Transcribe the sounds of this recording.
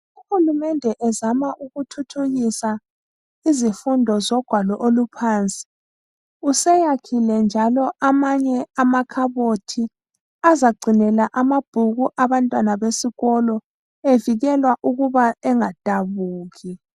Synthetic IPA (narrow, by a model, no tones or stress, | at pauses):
uhulumɛndʱɛʔɛzamaʔuɣutʰutʰuɣisa | izifundʱɔzɔɡ̥ʱwalɔʔolupʰaːnt͡sʼi̥ | usɛjakʰilɛnd͡ʒʱalɔʔamaɲɛamakʰaβotʰi | azaɡ͡ǀʱinɛlaʔamab̥ʱuɣuʔaβantʼwanaβesiɣɔlɔ | eviɣɛlwaʔuɣuβaɛŋad̥ʼʱaβuːɣi